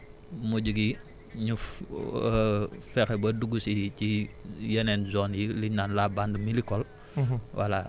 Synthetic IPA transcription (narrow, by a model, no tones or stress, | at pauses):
muɟuɡi | ɲuf | fɛxɛbɐduɡusicijɛnɛnzɔːnjiliɲnaːnlabandəmilikɔl | wʔa̰la